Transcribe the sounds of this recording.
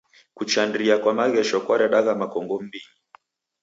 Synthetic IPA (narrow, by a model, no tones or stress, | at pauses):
kut͡ʃandiakwamaɣɛʃɔkwaɾaɗaɣamakɔŋɡɔm̩biɲi